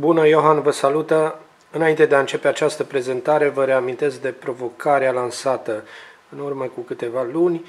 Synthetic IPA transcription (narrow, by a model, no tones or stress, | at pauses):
bunəjo̞ɦanvəsalut̪ə | ɨnaint̪e̞d̪eaɨnt͡ʃe̞pe̞at͡ʃast̪əpɾe̞ze̞nt̪aɾe̞vəɾe̞amint̪e̞sk̚d̪e̞pɾo̞vo̞kaɾealansat̪əɨnurməkukɨt̪e̞valunʲ